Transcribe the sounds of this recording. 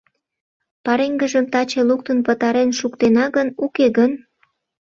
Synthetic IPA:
pɑɾeŋɡəʒəmt̪ɑt͡ɕeluk̚t̪ənpət̪ɑɾenʃukt̪enɑɣɡənukeɣən

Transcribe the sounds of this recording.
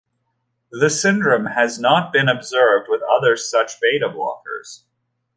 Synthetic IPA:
ðɨsɪ̃ndɹɨ̃mɨznət̚b̥ɨ̃nɨbzɜ˞vd̚wɨðʌðə˞sʌt͡ʃb̥eɪɾɨblɔ̰kə̰˞z̥

